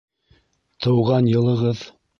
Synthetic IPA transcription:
t̪ʰɤ̆wʁɑnjɤ̆lˠɤ̆ʁɤð

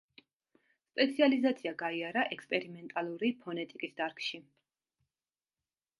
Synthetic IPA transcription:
spʼɛt̪sʰializat̪sʰiaɡaiaɾaʔɛkspʼɛɾimɛnt̪ʼalˠuɾipʰɔnɛt̪ʼikʼisd̪aɾkʰʃi

